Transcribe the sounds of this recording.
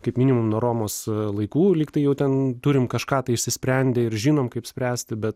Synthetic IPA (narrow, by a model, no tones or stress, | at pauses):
kɐɪpmʲiːnʲɪmʊmnoːɾoːmoːslˠɐɪkuːlʲiːkt̪ɐɪjɛʊt̪ʲɛnt̪uɾʲɪmkɐʃkɑːt̪ɐɪɪʃʲsʲɪsʲpʲɾʲɛnʲd̪ʲeɪɾʒʲiːnoːmkɐɪpsʲpʲɾʲæːsʲt̪ʲɪbʲɛt̪